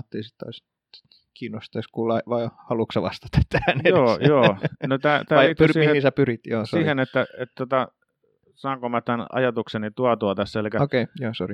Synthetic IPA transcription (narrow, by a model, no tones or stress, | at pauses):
t̪ːiˑisit̪tɑ̰is | t̪ | kʰiːnːost̪ɑiskuːlːɑiʋɑihɑluksɑʋɑ̰st̪ɑ̥t̪ɑ̥t̪t̪æːnejoːjoːnot̪æːt̪æːiliːt̪ysiːmiheisæpyrit̪joːsoːhenet̪ːæet̪t̪ot̪ɑ | sɑːŋkomɑt̪ːænɑ̰jɑt̪uksenit̪uɑt̪uɑt̪æsːelikæokeijoːsori